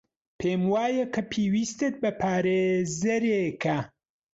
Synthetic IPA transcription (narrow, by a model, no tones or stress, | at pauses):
pʰeːmwaːjɐkʰɐpʰeːwiːst̪et̪̚bɐpʰaːɾeːzɐɾekʰɐ